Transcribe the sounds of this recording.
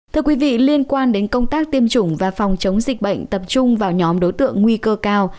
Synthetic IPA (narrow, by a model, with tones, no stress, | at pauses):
t̪ʰɨ˧əkwi˨˦vḭ˧˨li˧ənkwaː˧nɗe˨˦nkə˧wŋ͡mt̪aː˦˥k̚t̪i˧əmt͡ɕʊ˧˩ŋ͡mvaː˨˩fɔ˨˩wŋ͡mt͡ɕə˨˦wŋ͡mzï˨˩k̟̚ɓə̰˧˨jŋ̟t̪ə˨˩p̚t͡ɕʊ˧ŋ͡mvaː˨˩wɲɔ˨˦mɗo˨˦jt̪ɨ̰˧˨əŋːwi˧kəː˧kaː˧w